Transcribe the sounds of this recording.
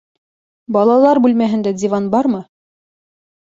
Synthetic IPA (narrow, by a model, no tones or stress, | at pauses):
bɑlˠɑlˠɑɾbʉlmæɦɘ̆nd̪ædʲivɑnbɑɾmɤ